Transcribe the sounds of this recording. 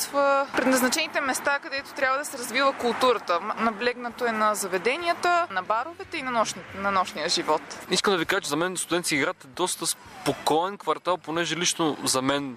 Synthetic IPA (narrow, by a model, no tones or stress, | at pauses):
svəpɾɛd̪nɐznɐt͡ʃɛnit̪ɛmɛst̪akɐd̪ɛt̪o̥t̪ɾʲabvəd̪ɐsɛɾɐzvivəkʊlˠt̪uɾət̪ənɐblɛɡnɐt̪oɛnɐzɐvɛd̪ɛniət̪ənɐbaɾovɛt̪ɛinɐnɔʃnnɐnɔʃnijəʒivɔt̪iskəmd̪ɐvikaʒət͡ʃɛzɐmɛnst̪ʊd̪ɛnt̪skʲiːɡɾat̪ɛd̪ɔst̪əs | pokɔɛnkvɐɾt̪alˠponɛʒɛlit͡ʃnozɐmɛn